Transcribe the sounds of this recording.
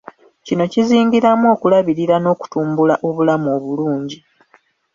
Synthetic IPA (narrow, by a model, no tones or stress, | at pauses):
cino̞ciziːŋɡiɾamo̞ːkulaβiɾiɾano̞ːku̥tuːmbulaʔo̞βulamo̞ːβuluːɲɟi